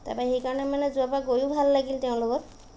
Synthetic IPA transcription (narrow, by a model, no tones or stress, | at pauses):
ta̰paxejkaɹɔnɛmanɛzuapaɡojubʱalːaɡilteʊ̃lokɔt